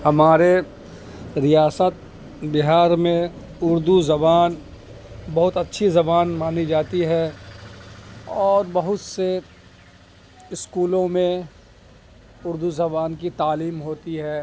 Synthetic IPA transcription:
hɐmaːɾe | ɾɪjaːsət̪̚ | bɪɦaːɾmẽ | ʊɾd̪uzɐbaːn | bɐɦʊt̪ɐtːʃʰizɐbaːnmaːnid͡ʒaːt̪iɦɛ | ɔːɾbɐɦʊt̪se | ɪskuːlõmẽ | ʊɾd̪uzɐbaːnkit̪aːliːmɦoːt̪iɦɛː

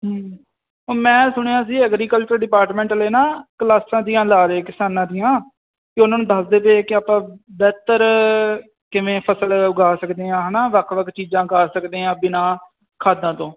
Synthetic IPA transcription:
ɦː | oːmɛ̃ːsʊɽ̃eːãːs̬iːɛːɡɾiːkəlt͡ʃəɾɖɪpaːɾʈmẽːɳʈleːnaːklaːsãːd̪ijãːlaːɾeːkɪsaːnãːd̪ɪjãː | kɪʊnãːnũd̪aːsd̪eːpeːkɪaːpãːbɛːt̪əɾ | kɪʋẽːpʰəsəlʊɡaːsəkd̪eːãːɦnaːʋəkʰʋəkʰt͡ʃiːd͡ʒãːɡaːsəkd̪eːãːbɪnãː | kʰaːd̪ãːt̪õː

